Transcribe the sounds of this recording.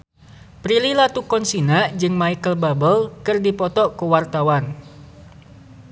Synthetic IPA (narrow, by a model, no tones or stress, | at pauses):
pɾililat̪ukɔnsinad͡ʒɨŋmaikəlbabəlkɨrdipɔt̪ɔkuwart̪awan